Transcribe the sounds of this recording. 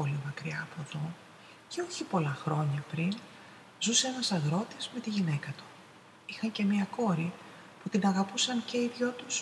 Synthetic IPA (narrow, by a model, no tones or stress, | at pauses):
o̞limɐkɾiɐːpot̪o | ce̞o̞çipo̞lɐxɾo̞ɲɐpɾin | zuse̞enɐsɐɣɾo̞t̪iz̥me̞t̪iʝine̞kɐt̪u̥ | ixɐɲce̞miɐko̞ɾi | put̪inɐɣɐpusɐnce̞iðʝot̪us